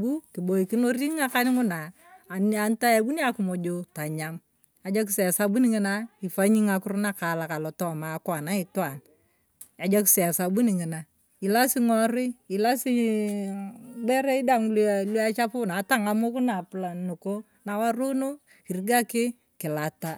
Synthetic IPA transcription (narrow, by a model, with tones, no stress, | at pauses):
bu˦kɪ˨bo˨i˨kɪ˦no˦ri˦ŋa˦ka˦nɪ˦ŋʊ˦na˨ | na˦nta˦ja˨bu˦ni˦a˦kʊ˨mo˨d͡ʒo˨ta˨ɲa˨m | a˨d͡ʒa˦k̬ɪ˦sɛ˨a˨sa˦bu˦nɪ˦ŋɪ˦na˦ɪ˨fa˦ɲi˦ŋa˨kʊ˦rna˦ka˨la˨ka˨lɔ˨tɔ˦˨ma˨˦kwa˨na˦ɪ˨twa˨n | a˨d͡ʒa˦ksɛ˨a˨sa˨bu˦nɪ˨ŋɪ˨na˨ | ɪ˨la˦sɪ˦ŋɔ˦ɾɪ˦ɪ˨la˦sɪ˦ | bɛ˦ɾɛ˦i˦da˦ŋllwa˦t͡ʃa˦pʊ˦na˨˦ta˦ŋa˨mo˦kʊ˦na˨pla˨nʊ˨ko˦ | na˨wa˦ɾo˦no˦ | kɪ˨rɡa˦kɪ˦ | kɪ˨la˨ta˦